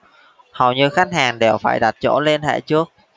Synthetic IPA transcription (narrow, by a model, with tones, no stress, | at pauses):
hə˨˩wɲɨ˧xa˦˥k̟̚haː˨˩ŋɗe˨˩wfa̰ː˧˩jɗa˨˩t̚t͡ɕo̰˧˥le˧nhɛ̰˧˥jt͡ɕɨ˦˥ək̚